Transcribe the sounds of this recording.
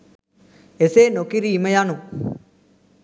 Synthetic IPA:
eseːnokiɾiːməjanu

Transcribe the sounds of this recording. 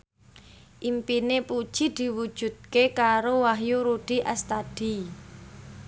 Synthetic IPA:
ʔimpinepud̥ʒ̥i̤d̪̥i̤wud̥ʒ̥ṳd̪̚kekaɾowaɦjuɾuɖ̥i̤ʔast̪ad̪̥i

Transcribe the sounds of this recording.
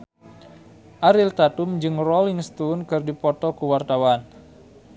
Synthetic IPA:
ʔaɾilt̪at̪umd͡ʒɨŋrɔliŋst̪unkɨrdipɔt̪ɔkuwart̪awan

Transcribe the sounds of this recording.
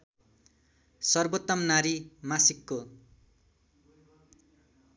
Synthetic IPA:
sʌrbot̪ːʌmnaɾimasikːo

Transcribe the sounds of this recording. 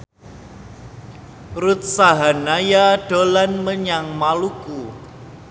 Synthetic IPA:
rut̪̚saɦanajaɖ̥olanməɲaŋmaluku

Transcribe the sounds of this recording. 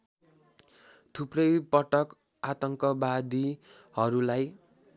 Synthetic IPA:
t̪ʰuprʌjpʌʈʌk | at̪ʌŋkʌbad̪i | hʌɾulaj

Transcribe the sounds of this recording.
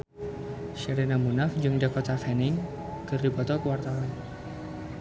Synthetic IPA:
ʃiɾenamunafd͡ʒɨŋdakɔt̪afɛnɪŋ | kɨrdipɔt̪ɔkəwart̪awan

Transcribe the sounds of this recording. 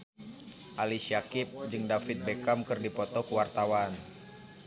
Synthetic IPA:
ʔalisiakɪp̚d͡ʒɨŋdafɪt̪̚bekamkɨrdipɔt̪ɔkuwart̪awan

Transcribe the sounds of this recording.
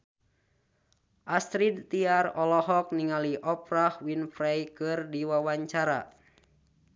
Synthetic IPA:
ʔast̪ɾid̪t̪iarɔlɔɦɔk̚niŋaliʔɔpɾahwinfɾɛjkɨrdiwawaɲt͡ʃaɾa̰

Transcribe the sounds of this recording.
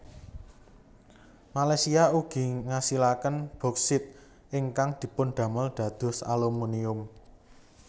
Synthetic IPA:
malajsiauɡ̥i̤ŋasilakənb̥ɔ̤ksɪt̪̚ | ʔɪŋkaŋd̪̥i̤pʊnɖ̪̥ä̤məlɖ̪̥ä̤d̪̥ɔ̤sa̰lumuniʊm

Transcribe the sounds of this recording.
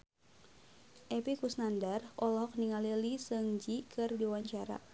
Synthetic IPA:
ʔɛpikusnandarʔɔlɦɔk̚niŋalilisəŋd͡ʒikʰɨrdiwaɲt͡ʃaɾa̰

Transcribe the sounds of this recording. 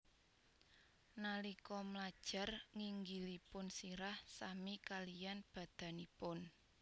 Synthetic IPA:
nalikɔmlad̥ʒ̥a̤rŋiŋɡilipʊnsiɾahsamikalijanb̥a̤d̪̥ä̤nipʊn

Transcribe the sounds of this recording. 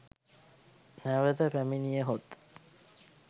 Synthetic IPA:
næʋəd̪əpæminijəɦot̪

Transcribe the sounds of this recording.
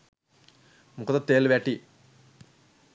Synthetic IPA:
mukot̪at̪ːeːlʋaːʈi

